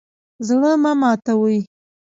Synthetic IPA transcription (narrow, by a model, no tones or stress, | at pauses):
zɽəmamɑt̪awuji